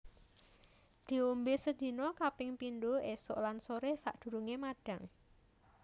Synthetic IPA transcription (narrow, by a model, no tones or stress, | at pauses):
d̪̥i̤ombesəd̪̥i̤nɔkapɪŋpindoesɔ̰ʔlansoɾesa̰ʔd̪̥ṳɾuŋemaɖ̥a̤ŋ